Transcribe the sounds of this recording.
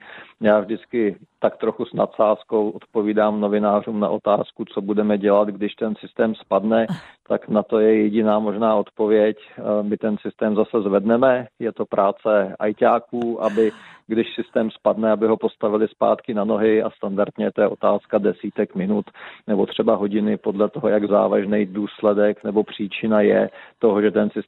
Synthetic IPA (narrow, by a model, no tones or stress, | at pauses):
jaːvʒdɪt͡skɪt̪akt̪ɾo̞xusna̰t̪saːsko̞wʔot̪po̞viːdaːmno̞vɪnaːr̝uːmna̰ʔo̞t̪aːskut͡so̞budɛmɛɟɛlat̪ɡdɪʃt̪ɛnsɪst̪ɛːmspadnɛt̪aknat̪o̞jɛjɛɟɪnaːmo̞ʒnaːo̞t̪po̞vjɛcmɪt̪ɛnsɪst̪ɛːmzasɛzvɛdnɛmɛjɛt̪o̞pɾʔaːt͡sɛa̰jcaːkuːʔabɪɡdɪʃsɪst̪ɛːmspadnɛabɪɦo̞post̪avɪlɪspa̰ːt̪kɪnano̞ɦɪa̰st̪andaɾt̪ɲɛt̪ojɛʔo̞t̪aːskadɛsiːt̪ɛkmɪnut̪nɛbo̞t̪r̝̥ɛbaɦo̞ɟɪnɪpo̞dlɛt̪oɦojaɡza̰ːvaʒnɛjduːslɛdɛknɛbo̞pr̝̥iːt͡ʃɪnajɛ̰t̪o̞ɦoʒɛt̪ɛnsɪ